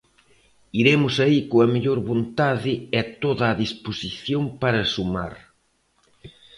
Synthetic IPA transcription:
iɾemʊsɐikoɐmeʎoɾβont̪aðɪɛt̪oðɐːðisposiθjompaɾɐsuma̰ɾ

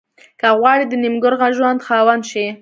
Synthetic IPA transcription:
kaɣwɑɽid̪ənimɡʊɾɣaʒwand̪xɑwanʃi

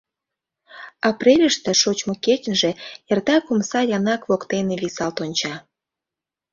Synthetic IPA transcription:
ɑprʲelʲəʃt̪ĕʃot͡ɕmoket͡ɕʲənʒĕjert̪ɑkumsɑjɑnɑkβokt̪eneβisɑlt̪onʲt͡ɕɑ

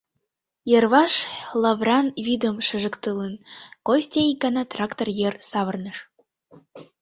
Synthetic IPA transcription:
jə̆rβɑʃlɑvrɑnvʲid̪əmʃə̆ʒə̆kt̪ələnkosʲt̪ʲeikɑnɑt̪rɑkt̪orjersɑβə̆rnəʃ

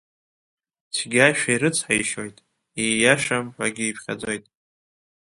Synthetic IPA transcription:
t͡sʰɡʲaʃᶣaiɾɨt͡sʰħaiʃo̞jtʼ | ijaʂamħʷᶣa̰ɡʲiipʰχʲa̰d͡zo̞jtʼ

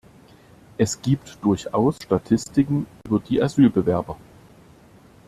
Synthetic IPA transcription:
ʔɛsɡ̥iːptd̥ʊɐçʔaʊsʃtatʰɪstɪkŋ̩ʔyːbɐdiːʔazyːlbəvɛɐbɐ

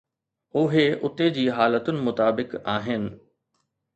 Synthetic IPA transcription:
ʊɦeʔʊt̪ed͡ʑiːɦaːlət̪ʊnɪ̆mʊt̪aːbɪkaːɦɪnɪ̆

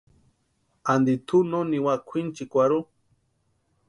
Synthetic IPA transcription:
and̪it̪ʰunoniwakʷʰint͡ʃikʷaɾu

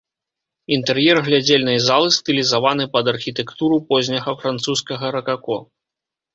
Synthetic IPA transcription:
int̪ɛrjɛrɣlʲad͡zʲelʲnɐjzalˠɨst̪ɨlʲizavanɨpɐd̪ɐrxʲit̪ɛkt̪uɾupɔzʲnʲɐɣɐfɾant̪suskɐɣɐɾɐkakɔ

